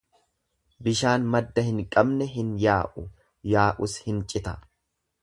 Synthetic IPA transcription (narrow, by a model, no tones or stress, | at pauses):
bɪʃaːnmɐd̪ːɐhɪŋkʼɐbnɛɦɪnjaːʔʊ | jaːʔʊshɪnt͡ʃʼɪt̪ɐ